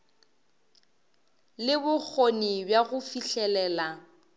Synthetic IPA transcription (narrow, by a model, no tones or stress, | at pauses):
lɪbʊk͡xʰonibjaɣʊfiɬɛlɛːla